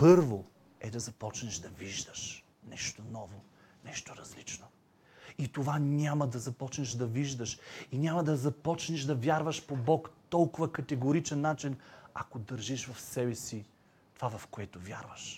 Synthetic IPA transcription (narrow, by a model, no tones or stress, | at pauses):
pɤɾvo | ɛd̪ɐzɐpɔt͡ʃnɛʃd̪ɐviʒd̪əʃ | nɛʃt̪onɔvo | nɛʃt̪oɾɐzlit͡ʃno | it̪ovanʲamɐd̪ɐzɐpɔt͡ʃnɛʃd̪ɐviʒd̪əʃinʲamɐd̪ɐzɐpɔt͡ʃnɛʃd̪ɐvʲjaɾvəʃpobɔkt̪ɔlˠkʊvəkɐt̪ɛɡoɾit͡ʃɛnːat͡ʃinakod̪ɐɾʒiʃvɐfsɛbɛsi | t̪ovavɐfkoɛt̪ovʲja̰ɾvəʃ